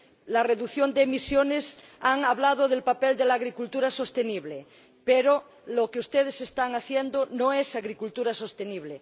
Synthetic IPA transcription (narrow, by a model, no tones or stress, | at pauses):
lareðuθjond̪emisjones | aŋaβlað̞oðelpapeld̪elaːɣɾikult̪uɾaso̞st̪eniβle | peɾo | lokeust̪eð̞esest̪aŋaθjend̪onõesaɣɾikult̪uɾasost̪eniβ̞le